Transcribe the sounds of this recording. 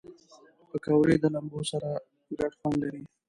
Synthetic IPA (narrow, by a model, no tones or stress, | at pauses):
pəkawɾed̪əlambosaɾa | ɡɾaʈxwanlaɾi